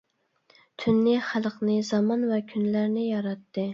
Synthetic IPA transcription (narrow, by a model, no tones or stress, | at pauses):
t̪ʰynːɪχælˠqnɨzɑmɑnvɛkʲʰynlæɾnɪjɑɾɑt̪ːɨ